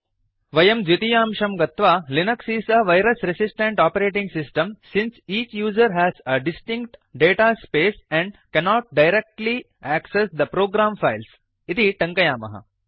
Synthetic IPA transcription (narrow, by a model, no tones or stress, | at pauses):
ʋɐjɐmd͡ʒut̪ijãːmʃɐmɡɐt̪ʋaːlinɐksisɐʋajɾɐsɾesɪsʈẽɳʈɔːpɐɾeːʈĩŋɡsɪsʈɐ̃msɪ̃nsiːt͡ʃjuːzɐɾɦæːzɐɖɪsʈɪ̃ŋkʈɖeːʈaːspeːsɛ̃ɳɖkɛnɔːʈ̚ɖaɪɾek̚ʈli | æksesd̪ɐpɾoːɡɾãːmfaɪls | it̪iʈɐ̃ŋkɐjaːmɐ̰ɦɐ̰